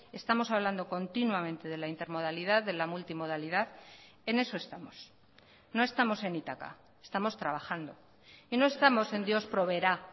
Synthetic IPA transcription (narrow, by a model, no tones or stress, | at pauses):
e̞st̪amo̞saβland̪o̞ko̞nt̪inwamẽ̞nt̪e̞ðe̞laint̪e̞ɾmo̞ð̞aliðaððe̞lamult̪imo̞ð̞aliðað | e̞ne̞so̞e̞st̪amo̞s | no̞e̞st̪amo̞se̞nit̪aka̰ | est̪amo̞st̪ɾaβaxand̪o̞ | ino̞e̞st̪amo̞se̞nd̪jo̞spɾo̞βe̞ɾa